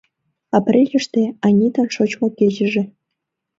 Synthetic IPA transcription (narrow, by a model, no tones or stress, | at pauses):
ɑprʲelʲɘ̆ʂt̪eɑnʲit̪ɤ̆nʂŏt͡ɕmɤ̆kʲeʑɘ̆ʐĕ